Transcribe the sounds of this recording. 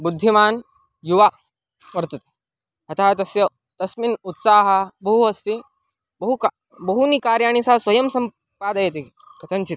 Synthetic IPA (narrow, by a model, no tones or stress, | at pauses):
bud̪ʱːimaːn | juʋa | ʋɐɾt̪ɐt̪e̥ | ɦɐt̪ʰaːt̪ɐsjɐ | t̪ɐsminut̪saːɦɐbɐɦuɐst̪i | bɐɦuk | bɐɦunikaːɾjaːɳ̃isasʋɐjɐmsɐm | paːd̪ɐjet̪e | kɐt̪ʰɐnt͡ʃit̪